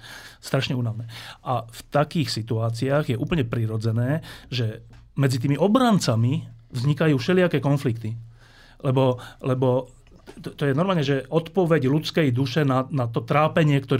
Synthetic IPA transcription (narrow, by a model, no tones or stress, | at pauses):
st̪ɾaʃɲɛuːnaʋnɛːʔaft̪akiːxsit̪uaːt͡siaːɣjɛʔuːpəɲɛpɾiɾɔd͡zɛnɛːʒɛ | mɛd͡zit̪̬iːmiʔɔbɾant͡samivzɲikajuːfʃɛlɪakɛːkɔnflikt̪i | lɛbɔlɛbɔ | t̪ɔjɛnɔɾmaːlɲɛʒɛɔt̪pɔʋɛɟlut͡skɛjd̪uʃɛnanat̪ɔt̪ɾaːpɛɲɪɛkt̪ɔɾ